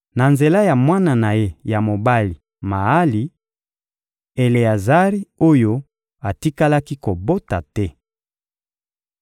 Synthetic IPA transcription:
na˨nze˨la˦ja˨mwa˦na˨na˨je˦ja˨mo˨ba˦li˨ | ma˨a˦li˨ | e˨le˨ja˨za˦ʁi˦o˦jo˦ | a˨ti˦ka˦la˦ki˦ko˨bo˦ta˨tɛ˦

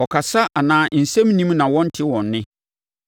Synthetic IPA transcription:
ɔ˨kʰa˨sa˦ʔa˨nãː˨n̩˨sɛ̃˦m˦nĩ˦mnã˨wɔ̃˦n̩˦tʰɪ˦wɔ̃˨nːɪ̃˦

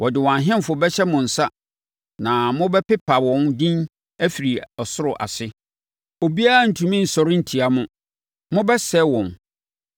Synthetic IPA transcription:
wʔɔ˨dɪ˨wɔ̃˨a˨ɦɪ̃˦m˨fʊ˨˦bɛ˦ɕɛ˦mʊ̃˨n̩˨sa˦ | nã˨mʊ̃˦bɛ˦pɪ˦pʰa˨wɔ̃˨˦ndĩ˦n | æ˦fi˨ɾi˨ɔ˨sʊ˦ɾʊ˨ʔa̰˨sɪ˦ | o˨bi˦a˦a˦˨n̩˨tʰũ˨mĩ˦n̩˨sɔ˨ɾɪ̃˦n̩˨tʰi˨a˨mʊ̃˨ | mʊ̃˦bɛ˦sɛ˦wɔ̃˨n

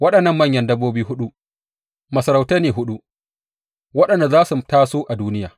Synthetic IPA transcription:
wɐ˦ɗɐ˨nːɐ˦˨mːɐ˦˨ɲjɐ˦ndɐ˦bːoː˦biː˦ɦʊ˦ɗu˦ | mɐ˨sɐ˨ɾa˨wta˦neː˨ɦʊ˦ɗu˦ | wɐ˦ɗɐ˨nda˨zaː˦su˨taː˦soː˦ʔa˨duː˦nɪ˦jaː˨

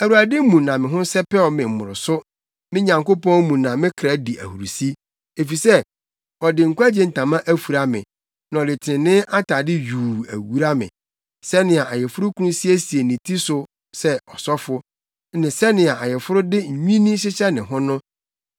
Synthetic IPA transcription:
æ˨wu˨a˨dɪ˦mũ˨nã˨mɪ̃˨ɦʊ̃˦sɛ˦pɛ˦ɔ˨mɪ̃˨m̩˨mʊ̰̃˨ɾʊ˨sʊ˦ | mɪ̃˦ɲã˨ŋko˦pɔ̃˦n˦mũ˨nã˨mɪ̃˦kʰɾa˦di˨ʔæ̰˨hu˨ɾu˨si˦ | e˨fi˨sɛ˦ | ɔ˨dɪ˨ŋ̩˨kʷa˦d͡ʑe˦n̩˨tʰã˨mã˦ʔæ˦fu˨ɾa˦mɪ̰̃˨ | nã˨ɔ˨lɪ˨tʰɪ˨ɪ̃˨nɪ̃˦ʔa˦tʰa˨dɪ˦juː˨æ̰˨wu˦ɾa˦mɪ̰̃˨ | sɛ˦nɪ̃˨a˨a˨jɛ˨fʊ˦ɾʊ˦kʰu˦ũ˦si˦æ˦si˨e˨nĩ˨tʰi˦sʊ˦ | sɛ˦ɔ˨sɔ˦fʊ˦ | nɪ̃˨sɛ˦nɪ̃˨a˨a˨jɛ˨fʊ˦ɾʊ˦dɪ˦ɲ̩˨ɲᶣĩ˦nĩ˦ɕɪ˦t͡ɕʰɛ˦nɪ̃˨ɦʊ̃˦nʊ̃˦

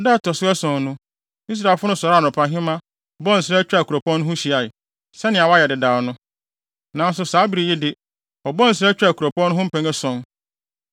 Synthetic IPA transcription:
dɛ˦˨tʰɔ˨sʊ˦ɛ˦sɔ̃˨n˦nʊ̃˦ | i˦s̬ɾa˨fʊ˦ʊ̃˦sɔ˨ɾa˦˨nʊ̃˨pʰã˨ɦɪ̃˦mã˦ | ɔ˨bɔ̃˦n̩˨sɪɾɛ˦t͡ɕᶣa˨kʰu˨ɾo˨pʰɔ̃˦nːʊ̃˦ɦʊ̃˦ɕi˨a˨ɪ˨ | sɛ˦nɪ̃˨a˨wɔ˦a˦jɛ˨dɪ˨daː˨nʊ̃˦ | nã˨n̩˦sʊ˨saː˨˦bi˨ɾi˨ji˦dɪ˦ | ɔ˨bɔ̃˦n̩˨s̬ɾɛ˦t͡ɕᶣɪ˦a˨kʰu˨ɾo˨pʰɔ̃˦nːʊ̃˦ʊ̃˦m̩˦pʰæ̃˦ŋɛ˦sɔ̃˦n

